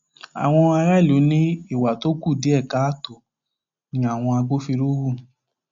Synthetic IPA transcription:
a̰˨w̃ɔ̃˧a˧ɾa˦˨lu˨˦nĩ˦i˦˨wa˨to˦ku˦˨di˨˦ɛ˦˨ka˨˦˨to˨ | nĩ˧˦a˦˨w̃ɔ̃˧a˧ɡ͡bo˦fi˧ɾo˦wu˦˨

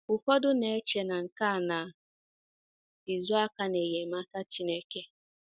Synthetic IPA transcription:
ʊ˨fɔ˦dʊ˦ne˨e˦t͡ʃe˨na˨ŋ̩˨ka˦˨na˨ | i˨zʊ˦a˦ka˦ne˨je˨m˦a˦ka˦t͡ʃi˦ne˦ke˦

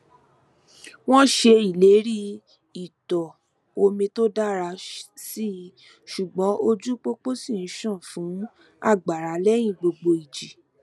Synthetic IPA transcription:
w̃ɔ̃˦ʃe˧i˨le˨˦ɾi˦ | i˨tɔ˨ | o˧mĩ˧to˦da˦ɾa˧si˦˧˨ | ʃu˨ɡ͡bɔ̃˨˦o˧d͡ʒu˦k͡po˦k͡po˦si˦˨n̩˨˧ʃã˦˨fũ˨˦ | a̰˦˨ɡ͡ba˨ɾa˨˦lɛ˦j̃ĩ˦˨ɡ͡bo˧ɡ͡bo˧i˨d͡ʒi˨

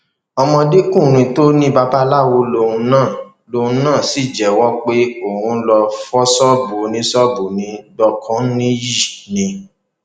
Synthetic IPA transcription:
ɔ˧mɔ̃˧de˦kũ˦˨ɾ̃ĩ˧to˦nĩ˦ba˧ba˦la˦˨wo˧lo˧˨ũ˧nãː˦˨ | lo˧hũ˧˦nãː˦˨si˦˨d͡ʒɛ˨wɔ˦k͡pe˦o˨hũ˧˦lɔ˧fɔ˦sɔ˦bo˨nĩ˧˦sɔ˦bu˨nĩ˨˦dɔ˧kʰɔ̃˦nĩ˦ji˦˨nĩ˧

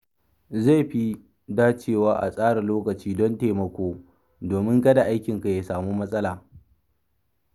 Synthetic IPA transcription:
za˦˨ɸi˦ | daː˦t͡ʃeː˦˨waː˦ʔa̰˨sʼaː˦ɽa˨loː˦kɐ˨t͡ʃiː˦dɔ˦nteː˨mɐ˨kʷoː˦ | doː˨mɪ˦ŋkɐ˦da˨ʔa˦jkʲɪ˨ŋka˨jaː˨saː˨muː˦mɐ˦sʼɐ˦laː˨

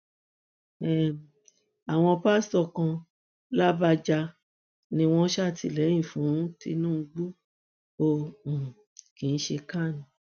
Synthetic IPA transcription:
ɛ˦˨ | a˨w̃ɔ̃˧pa˦stɔ˦˨kã˧ | la˦ba˧d͡ʒa˧ | nĩ˧w̃ɔ̃˦ʃa˦˨ti˧˨lɛ˨˦jĩ˦˨fũ˨˦ti˧nũː˦˧ɡ͡bu˦ | o˦˨ | kĩ˨n̩˦ʃe˧ka˦˨nĩ˨

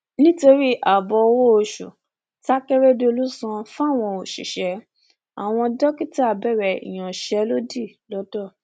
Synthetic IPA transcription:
nĩ˦to˧ɾi˦ʔa˨bɔ˧wo˦o˧ʃṵ˨ | ta˦kɛ˦ɾe˦de˦o˧lu˦sã˧fa˦˨w̃ɔ̃˧o˨ʃḭ˨ʃɛ˨˦ | a˨w̃ɔ̃˧dɔ˦ki˦ti˦a˦˨bɛ˦˨ɾɛ˨ḭ˨j̃ã˨ʃɛ˨˦lo˦di˦˨lɔ˦dɔ˦˨

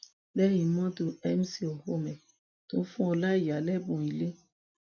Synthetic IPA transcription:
lɛ˦ji˨mɔ̃˦to˨ɛ˦m˦si˦o˨ho˦mɛ̃˨ | t̪õ˨˦fũ˦o˨la˦i˨a˨lɛ˦bõ˨i˨le˦

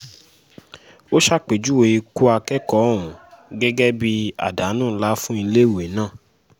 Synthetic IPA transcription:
o˦ʃa˦k͡pe˨d͡ʒu˦we˧i˧ku˦a˧kɛ˦kɔ˦˨wũ˨ɡɛ˦ɡɛ˦bi˧a̰˨da˨˦nũː˦˨˦la˦fũ˦i˧le˦˨we˨˦nãː˦˨

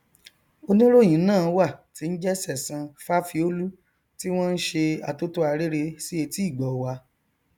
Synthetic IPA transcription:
o˧nĩ˦ɾo˦˨j̃ĩ˨˦nãː˦˨˧wa˦˨ti˧n̩˦d͡ʒɛ˦sɛ˦˨sĩ˧fa˦fi˧o˦lu˦ | ti˦w̃ɔ̃˦n̩˦ʃe˧a˧to˦to˦a˧ɾe˦ɾe˧si˦e˧ti˦˨ɡ͡bɔ˨wa˧

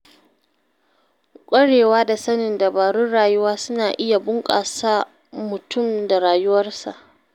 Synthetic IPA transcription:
kʷʼɐ˦ɽeː˨waː˦da˨sɐ˦nɪ˨nda˨baː˨ɽʊ˦ɽaː˨jʊ˦waː˦sʊ˦naː˨ʔɪ˦ja˨bʊ˦ŋkʼa̰ː˨saː˦ | mʊ˨tʊ˦˨mda˨ɽaː˨jʊ˦wɐ˦rsa̰˨ʔ

